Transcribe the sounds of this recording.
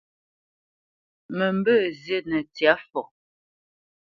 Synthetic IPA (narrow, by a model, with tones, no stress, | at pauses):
mə˨mbə˦˨zje˦nə˨tja˨˦fɔ˨